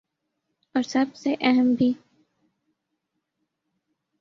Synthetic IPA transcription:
ɔːɾsɐbseʔɛɦəmbʱiː

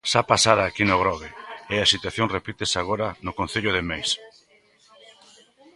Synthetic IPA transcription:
ʃapasaɾaːkinʊɣ̞ɾɔɣeɪasit̪waθjoŋrepit̪esaɣ̞oɾanʊkõn̟θeʎʊðemejs

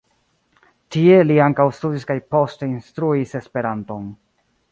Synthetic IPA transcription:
tie̞liaŋkawstudiskajpo̞ste̞instɾuise̞spe̞ɾanto̞n

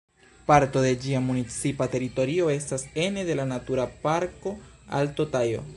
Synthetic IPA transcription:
paɾto̞de̞d͡ʒiamunit͡sipate̞ɾito̞ɾio̞e̞stase̞ne̞de̞lanatuɾapaɾko̞a̰ltotajo̞̰

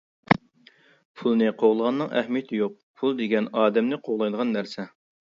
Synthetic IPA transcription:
pʰulˠnɨqʰoʁlˠəʁɑnːɨŋʔɛhmijet̪ʰɪjoq̚pʰulˠd̪eɡʲɛnɑːd̪ɛmnɪqʰoʁlˠɑjd̪əʁɑnːæɾsɛ

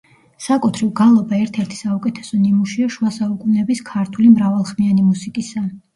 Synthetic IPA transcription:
sakʼut̪ʰɾivɡalˠɔbaɛɾt̪ʰɛɾt̪ʰi̥saukʼɛt̪ʰɛ̥sɔnimuʃiaʃuasaukʼunɛbiskʰaɾt̪ʰulimɾavalˠχmianimusikʼisa

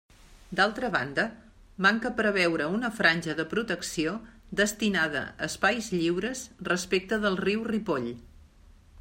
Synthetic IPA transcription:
d̪alˠt̪ɾəβa̰nd̪ə | maŋkəpɾəβ̞ɛwɾəunəfɾanʲʒəðəpɾut̪əksiod̪əst̪inaðə̰əspajzʎiwɾəzrəspek̚t̪əðəlˠriwripoʎ

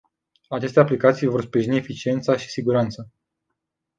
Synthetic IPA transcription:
at͡ʃe̞st̪e̞aplikat̪sijvo̞rspɾiʒiniefit͡ʃie̞nt̪saʃi̥siɡuɾant̪sə

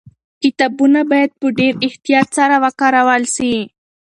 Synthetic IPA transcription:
kɪt̪ɑbunabajad̪̚pəɖeɾɪht̪ijɑːt̪saɾawakaɾawalsi

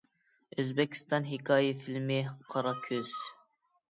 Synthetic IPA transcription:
øzbɛkʲʰi̥st̪ɑnɦikʰɑːjifilmɪqʰɑɾɑkʲʰøz̥

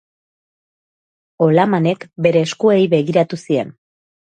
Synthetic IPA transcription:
o̞lamane̞kbe̞ɾe̞ːskue̞jβe̞ɣ̞iɾat̪usie̞̰n

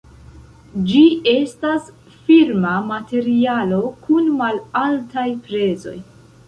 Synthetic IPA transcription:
d͡ʒie̞stas | fiɾmamate̞ɾialo̞kunmalaltajpɾe̞zo̞̰j

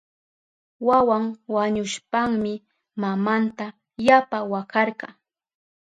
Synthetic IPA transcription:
wawaŋwaɲʊʃpaŋmɪ | mamant̪a | japawakɑɾɢɑ

